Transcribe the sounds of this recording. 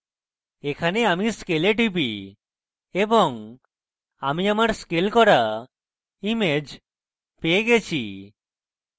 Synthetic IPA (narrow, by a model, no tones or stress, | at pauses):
ekʰaneamiskeleʈibi | ebɔŋ | amiamaɾskelkɔɾa | imed͡ʒ | peeɡet͡ʃʰḭ